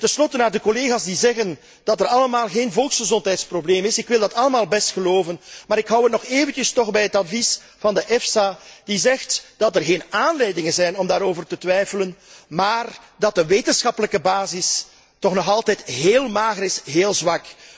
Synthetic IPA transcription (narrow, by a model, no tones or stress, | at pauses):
tənslɔtənaːrdəkoleːɣaːsdizɛɣən | d̥ɑtərɑləmaːlˠɣeːnvɔlˠksxəzɔntɦɛjtsprobleːmɪsɪkʋɪlˠdɑtɑləmaːlˠbɛstxəloːvənmaːɾɪkɦʌwətnɔxeːvəntəstɔxbɛjɦətɑtvis | v̥ɑndəʔɛfsad̥izɛxtd̥ɑtərɣeːnaːnlɛjdɪŋənzɛjnɔmdaːɾoːvərtətʋɛjfələnmaːrdɑt̚əʋeːtənsxɑpələkəbaːzɪs | tɔxnɔxɑlˠtɛjtɦeːlˠmaːɣəɾɪsɦeːlˠzʋɑk